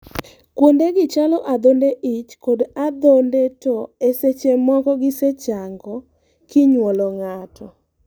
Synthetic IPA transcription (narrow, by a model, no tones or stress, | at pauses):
kwondeɡɪt͡ʃalɔʔad̪ondeʔit͡ʃkodad̪ondetɔeset͡ʃemɔkɔɡɪset͡ʃaŋɡɔ | kɪɲwɔlɔŋatʰɔ